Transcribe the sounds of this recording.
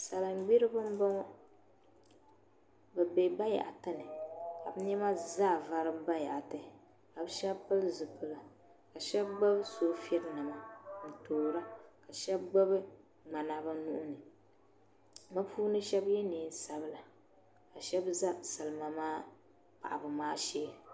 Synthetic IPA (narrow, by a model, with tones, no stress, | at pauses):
sa˨la˨ŋ͡mɡ͡bi˦ɾɨ˦bɨ˦m˦bɔ˦ŋɔ˦ | bɨ˨be˨ba˦ja̰˨ʔa˨tɨ˦nɨ˨ka˨bɨ˦ɲɛ˦ma˦za˦˨va˨ɾɨ˦bba˦ja̰˨ʔa˨tɨ˨ | ka˨bɨ˦ʃɛ˦bpɨ˦lzɨ˨kɨ˦la˨ | ka˨ʃɛ˦bɡ͡ba˦bsoː˦fi˦ɛ˦ɾnɨ˨ma˨n̩˨toː˨ɾa˦ka˨ʃɛ˦bɡ͡ba˦bɨ˦ | ŋ͡ma˨na˨ba˦nu˦ʔʊ˦nɨ˨ | ma˦pʰuː˦nɨ˦ʃɛ˦bjɛ˦niː˨˦sa˦bɨ˦la˨ | ka˨ʃɛ˦bza˦sa˨lma˨maː˦ | pa̰˨ʔa˨bʊ˨maː˦ʃeː˦